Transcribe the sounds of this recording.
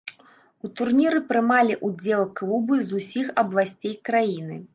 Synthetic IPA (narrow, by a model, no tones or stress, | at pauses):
ut̪urnʲiɾɨpɾɨmalʲiʔud͡zʲɛlˠklˠubɨzusʲixɐblˠasʲt͡sʲejkɾajinɨ